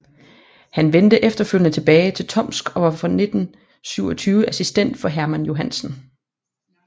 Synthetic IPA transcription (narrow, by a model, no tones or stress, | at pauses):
hænʋend̥əʔefd̥ɐføl̰jənət͡sʰe̝b̥ɛːɪt͡sʰe̝lt͡sʰɒ̽m̰sɡ̥ɒ̽ʋɑ̈fɒne̝d̥n̩ | syʊ̰ɒt͡sʰyːʊəʔæsisd̥en̰d̥fɒ̽ɦæɐmænjo̝ɦænsn̩